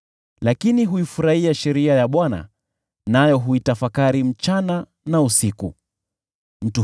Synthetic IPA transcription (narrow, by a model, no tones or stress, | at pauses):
lakiniɦuifuɾahiaʃɛɾiajaɓwana̰ | najɔɦuitafakaɾim̩t͡ʃana | nausiku | m̩tu